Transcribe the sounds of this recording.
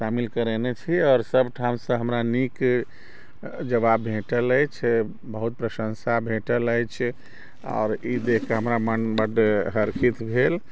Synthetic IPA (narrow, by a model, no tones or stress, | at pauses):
ʃamilkəɾenet͡ʃʰiɔːɾsəbʱʈʰamsə̃ɦəmɾanik | d͡ʒəβabːʱẽʈələjt͡ʃʰ | bəɦut̪̚pɾəsə̃nsabʱẽʈələjt͡ʃʰ | ɔ̰ːɾid̪ekkːeɦəmɾamənbəɖeɦəɾkʰit̪bʱel